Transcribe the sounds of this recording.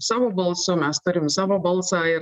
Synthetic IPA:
sɑːʋoːbɐlˠsʊmʲɛst̪ʊɾʲɪmsɑːʋoːbɐlˠsɑːɪ

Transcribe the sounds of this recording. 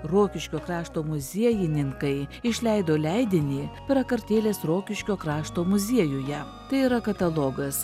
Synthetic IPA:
ɾoːkʲɪʃʲkʲoːkɾɑːʃt̪oːmʊzʲiɛjɪnʲɪŋkɐɪɪʃʲlʲɛɪd̪oːlʲɛɪd̪ʲɪnʲiːpʲɾɐkɐɾʲt̪ʲeːlʲeːsɾoːkʲɪʃʲkʲoːkɾɑːʃt̪oːmʊzʲiɛjʊjɛ | t̪ɐɪiːɾɐkɐt̪ɐlˠoːɡɐs

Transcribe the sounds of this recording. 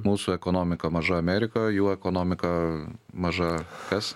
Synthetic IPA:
muːsuɛkoːnoːmʲɪkɐmɐʒɐɐmʲɛɾʲɪkoːjuːɛkoːnoːmʲɪkɐmɐʒɐkɐs

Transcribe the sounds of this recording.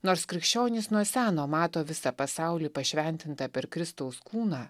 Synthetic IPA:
noːɾskɾʲɪkʃʲt͡ʃʲoːnʲɪsnuɔsʲæːnoːmɑːt̪oːʋʲɪsɑpɐsɑʊlʲiːpɐʃʲʋʲɛnʲt̪ʲɪnt̪ɐpʲɛɾkɾʲɪst̪ɐʊskuːnɑː

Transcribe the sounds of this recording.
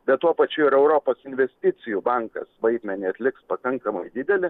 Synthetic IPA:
bʲɛt̪t̪uɔpɐt͡ʃʲʊɪɾɛʊɾoːpoːsɪnʲʋʲɛsʲt̪ʲɪt̪sʲɪjubɑŋkɐ̰sʋɐɪd̪ʲmʲɛnʲiːɐt̪ʲlʲɪkspɐkɐŋkɐmɐɪd̪ʲɪd̪ʲɛlʲɪ

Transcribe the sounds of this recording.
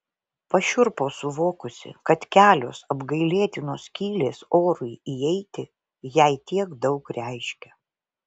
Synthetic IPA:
pɐʃʲʊɾpoːsʊʋoːkʊsʲɪ̰kɐt̪kʲæːlʲoːsɐbɡɐɪlʲeːt̪ʲɪnoːskʲiːlʲeːsoːɾʊɪiɛɪt̪ʲɪ | jɛɪt̪ʲiɛɡd̪ɒʊkɾʲæɪʃʲkʲɛ

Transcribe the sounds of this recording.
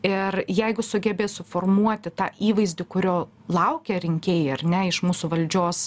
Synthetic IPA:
ɪrjɛɪɡʊsʊɡʲɛbʲeːsʊfoːrmuɔt̪ʲɪt̪ɑːʔiːʋɐɪzʲd̪ʲɪkʊɾʲoː | lˠɐʊkʲɛɾʲɪŋʲkʲeːjɪɐrʲnʲɛɪʃmuːsʊʋɐlʲd͡ʒʲoːs

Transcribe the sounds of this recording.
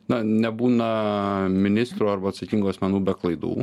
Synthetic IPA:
nɐnʲɛbuːnɐmʲɪnʲɪst̪ɾuːɐɾbɐɐt̪sɐkʲiŋɡuːɐsʲmʲɛnuːbʲɛklˠɐɪd̪ṵː

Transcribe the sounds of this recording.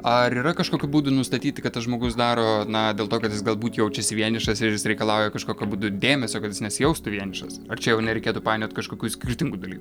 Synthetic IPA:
ɐɾiːɾɐkɐʃkoːkʲuːbuːd̪ʊnʊst̪ɐt̪ʲiːt̪ʲɪkɐt̪t̪ɐsʒmoːɡʊsd̪ɑːɾoːnɐd̪ʲeːlˠt̪oːkɐt̪jɪsɡɐlˠbuːt̪jɛʊt͡ʃʲɛsʲɪʋʲiɛnʲɪʃɐsɪɾjɪsɾʲɛɪkɐlˠɑʊjɛkɐʃkoːkʲubuːd̪ʊd̪ʲeːmʲɛsʲoːkɐt̪jɪsnʲɛsʲɪjɛʊst̪ʊʋʲiɛnʲɪʃɐsɐrt͡ʃʲɛjɛʊnʲɛɾʲɛɪkʲeːtupɑːjnʲoːt̪̚ʲkɐʃkoːkʲuːsʲkʲɪrʲt̪ʲɪŋɡud̪ɐlʲiːku

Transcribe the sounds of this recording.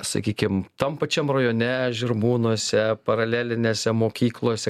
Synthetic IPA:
sɐ̰kʲiːkʲɪmt̪ɐmpɐt͡ʃʲɛmrɐjoːnʲɛʒʲɪɾmuːnuɔsʲɛpɐɾɐlʲæːlʲɪnʲeːsʲɛmoːkʲiːklˠoːsʲɛ

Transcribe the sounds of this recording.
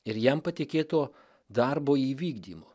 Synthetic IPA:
ɪɾjɛmpɐt̪ʲɪkʲeːt̪oː | d̪ɐɾboːiːʋʲiːɡd̪ʲiːmoː

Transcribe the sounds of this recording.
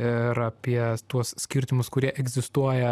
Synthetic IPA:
ɪɾɐpʲiɛt̪uɔssʲkʲɪɾʲt̪ʲɪmʊskʊɾʲiɛʔɛɡzʲɪst̪uɔjɛ

